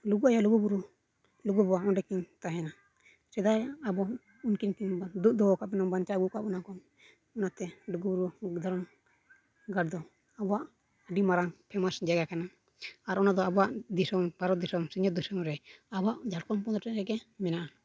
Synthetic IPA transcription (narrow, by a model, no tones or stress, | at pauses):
luɡuajaluɡubuɾu | luɡubɔaʔɔnɖɛkiɲt̪aɦɛna | sɛd̪ajabɔ | unkinkiɲd̪uʔ̚d̪ɔɔkaʔbɛnɔmbant͡ʃaɡukaʔbɔnakɔm | ɔnat̪ɛluɡubuɾud̪ʱɔɾɔm | ɡaɖ̚d̪ɔ | abɔaʔ | əɖimaɾaŋpʰɛmasd͡ʒɛɡakana | aɾɔnad̪ɔabɔwaʔd̪isɔmbaɾɔd̪isɔmsiɲɔt̪̚d̪usɔmɾɛabɔaʔd͡ʒaɽkɔmpɔd̪ɾɔʈɛʔɾɛɡɛmɛnaʔa